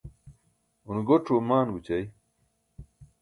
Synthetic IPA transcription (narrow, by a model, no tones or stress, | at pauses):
unɡoʈ͡ʂʰomaːnɡut͡ɕɐj